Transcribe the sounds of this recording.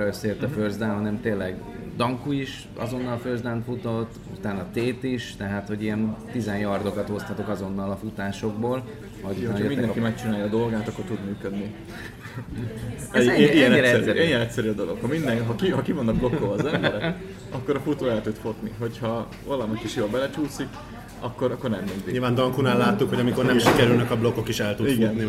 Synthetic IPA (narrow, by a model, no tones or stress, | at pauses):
øseːlt̪ɛførzd̪ɛnɦɒnɛmt̪eːnlːɛɡ | d̪ɒŋkuiʃ | ɒ̰zo̞nːɒlføzd̪ɛnfut̪o̞t̪ːṵt̪aːnɒt̪eːt̪iʃt̪ɛɦaːt̪ho̞ɟijɛnt̪izɛnjɒrd̪o̞kɒt̪o̞st̪hɒt̪o̞kɒzo̞nːɒlɒfut̪aːʃo̞ɡ̚boːl | ɒouaːnːjɛminɛɛkimɛk̚t͡ʃinaːjɒd̪o̞lɡaːt̪ɒkːo̞rt̪ud̪myːkød̪ni | ɛiɡɛnɛnijɛnɛcʲsɛɾyɒd̪o̞lo̞khɒmind̪ɛŋɦɒkihɒkivonːɒblo̞kːovɒːzɛmmbɛɾɛk | ɒkːoɾɒfut̪oːɛlt̪ut̪fo̞t̪niɦo̞chɒ | vɒlɒmikiʃjoːlbɛlɛt͡ʃuːsik | ɒkːo̞ɾɒkːo̞rnɛmːind̪iɲilvaːnd̪ɒŋkunaːlːaːt̪ːukhoɟɒmikornɛmʃikɛɾylnɛkɒblokokiʃɛlt̪uiɡuɛnni